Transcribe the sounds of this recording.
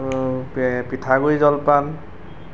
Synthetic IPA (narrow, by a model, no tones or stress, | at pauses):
pitʰaɡojzɔlpan